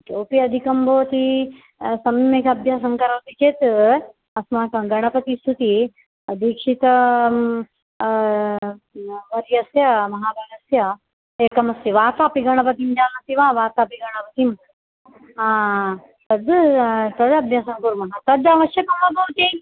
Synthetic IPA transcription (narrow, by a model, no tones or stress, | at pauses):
t̪oːpiɐd̪ʱikɐmbʱɐːt̪i | sɐmmekɐbʱjaːsɐŋkɐɾɐːt̪it͡ʃeːt̪ | ɐsmaːkɐɡɐɳɐpɐt̪ist̪ut̪i | ɐd̪ʱiːkʂit̪ɐ | ʋɐɾjɐsjɐmɐɦaːbʱɐːɡɐsjɐ | eːkɐmɐsiʋaːt̪aːpiɡɐɳɐpɐt̪imd͡ʒaːlɐt̪iʋaːʋaːt̪aːpiɡɐɽ̃ɐpɐt̪im | aː | t̪ɐd̪t̪ɐd̪ɐbʱjaːsɐŋkuɾmɐɦat̪ɐd̪ɐʋɐʃjɐkɐmɐbʱɐʋt̪e